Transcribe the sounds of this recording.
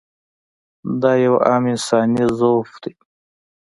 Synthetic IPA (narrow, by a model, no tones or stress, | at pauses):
d̪aːjawaːminsɑːnizowfd̪e